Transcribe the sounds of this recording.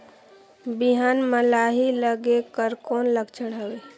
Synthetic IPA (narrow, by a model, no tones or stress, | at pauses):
biɦanməlaɦiləɡekəɾkoːnləkt͡ʃʰəɽɦəwe